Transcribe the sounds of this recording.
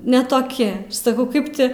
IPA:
nʲɛ toːˈkʲɪ sɐˈkɐʊ ˈkɐɪp tʲɪ

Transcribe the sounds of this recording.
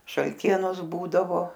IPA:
ʃɐlʲˈtʲiɛnoːs ˈbuːdɐʋoː

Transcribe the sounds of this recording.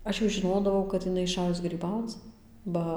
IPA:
ˈɐʃ jɛʊ ʒʲɪˈnoːdɐʋɐʊ kɐt ɪˈnɐɪ ɪˈʃɑːjʊs ɡrʲiːˈbɐʊt͡s ˈbɐ

